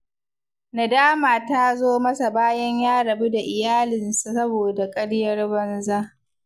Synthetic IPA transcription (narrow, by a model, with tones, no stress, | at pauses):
na˨daː˦maː˨ta˦zoː˦mɐ˦sa˨baː˦jɐ˦ɲjaː˦ɽɐ˨bu˦da˨ʔɪ˨jaː˦lɪ˨nsu˨sɐ˦boː˨da˨kʼɐ˦ɽjɐ˦rbɐ˦nzaː˦